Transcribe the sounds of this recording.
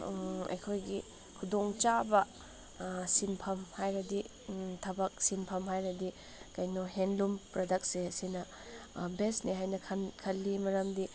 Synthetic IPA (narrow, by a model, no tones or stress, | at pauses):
ɐ̰jkʰojɡi | kʰudoŋt͡ʃabɐ | sinpʰɐmhajɾɐdi | tʰɐbɐk̚sinpʰɐmɦajɾɐdi | kɐjnɔɦenlumpɾodɐk̚sesinɐ | besniɦajnɐkʰnkʰɐlːimɐɾɐmdi